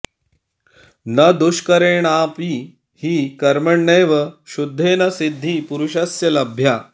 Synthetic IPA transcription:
nɐd̪uʃkɐɾeːɳaːpi | hiːkɐɾmɐɳːeːʋɐʃud̪ʱːeːnɐsid̪ʱːiːpuɾuʃɐsjɐlɐbʱjaː

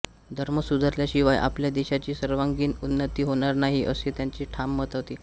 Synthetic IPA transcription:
d̪ʱəɾməsud̪ʱəɾljaɕiʋajʔa̰pljad̪eɕat͡ɕiːsəɾʋaŋɡiːnunːət̪iːɦoɽ̃aɾnaɦiʔəset̪jaɲt͡ɕiːʈʰamːət̪aʋt̪iː

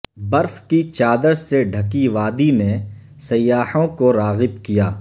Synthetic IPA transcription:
bɐɾfkit͡ʃaːd̪əɾseɖʱɐkiʋaːd̪ine | sɐjːaːhõkoɾaːɣɪbkijaː

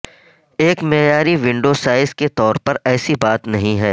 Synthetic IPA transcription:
eːkmeɦjaːɾiʋɪ̃ɳɖoːsaːɪzket̪ɔːɾpɐɾɛːsibaːt̪nɐɦĩɦɛː

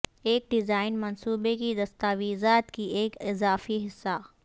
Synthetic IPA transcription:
eːk̚ɖɪzaːɪnmɐnsuːbekid̪ɐst̪aːʋiːzaːt̪kʰiʔeːkɪzaːfiɦɪsːa

